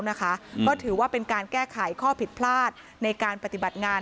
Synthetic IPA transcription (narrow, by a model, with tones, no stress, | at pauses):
wna˦˥kʰa˦˥kɔː˥˩t̪ʰɯː˩˦waː˥˩pe˧nkaː˧nkɛː˥˩kʰa˨˩˦jkʰɔː˥˩pʰi˨˩t̪̚pʰlaː˥˩t̪̚ | na˧jkaː˧npɾa˧t̪i˨˩ba˨˩t̪̚ŋaː˧